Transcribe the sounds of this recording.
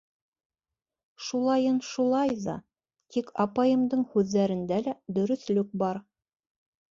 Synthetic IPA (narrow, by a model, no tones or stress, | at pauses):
ʃulˠɑjɤnʃulˠɑjðɑ̰ | t̪ʰikʰɑpɑjɤ̆md̪ɤɴhʉðːæɾɘ̆nd̪ælæd̪ɵ̆ɾɵ̆θlɵk̚bɑɾ